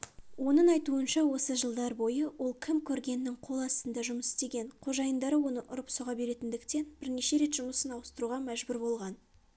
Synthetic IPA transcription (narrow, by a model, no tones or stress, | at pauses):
wo̞nəɴɑjt̪uənʃɑwo̞səʒəlˠd̪ɑɾbo̞jəwʔo̞lˠkʲʰɪmkʲʰɵɾɡʲe̞nːɪŋqʰo̞lˠɑst̪ənd̪ɑʒʊməsɪ̥st̪e̞ɡʲe̞nqʰo̞ʒɑjənd̪ɑɾəwo̞nəʔʊɾəpsoʁɑbe̞ɾe̞t̪ɪnd̪ɪkt̪e̞nbɪɾne̞ʃe̞ɾe̞t̪ʒ̥ʊməsənɑwəst̪əɾuʁɑmæʒbʊɾbo̞lˠʁɑn